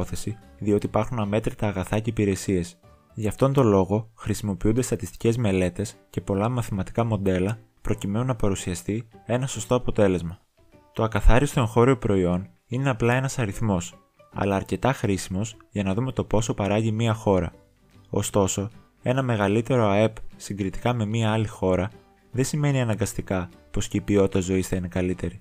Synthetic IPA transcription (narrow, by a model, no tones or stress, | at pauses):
oθe̞si | ðio̞t̪iːpɐɾxunɐme̞t̪ɾit̪ɐːɣɐθɐce̞ipiɾe̞sie̞s | ʝɐft̪o̞nt̪o̞lo̞ɣo̞xɾisimo̞piund̪e̞st̪ɐt̪ist̪i̥ce̞zme̞le̞t̪e̞sce̞po̞lɐmɐθimɐt̪i̥kɐmo̞nd̪e̞lɐ | pɾo̞cime̞nunɐpɐɾusiɐst̪ie̞nɐso̞st̪oɐpo̞t̪e̞le̞zmɐ | t̪o̞ɐkɐθɐɾist̪o̞e̞ŋxo̞ɾio̞pɾo̞io̞n | ine̞ɐplɐe̞nɐsɐɾiθmo̞s | ɐ̰lɐːɾce̞t̪ɐxɾisimo̞zʝɐnɐðume̞t̪o̞po̞so̞pɐɾɐʝimiɐxo̞ɾɐ̰ | o̞̰st̪o̞so̞ | e̞nɐme̞ɣɐlit̪e̞ɾo̞ɐe̞psiŋɡɾit̪i̥kɐme̞miɐɐlixo̞ɾɐ | ðe̞sime̞niɐnɐŋɡɐst̪ikɐpo̞sceipio̞t̪it̪ɐzo̞isθɐine̞kɐlit̪e̞ɾi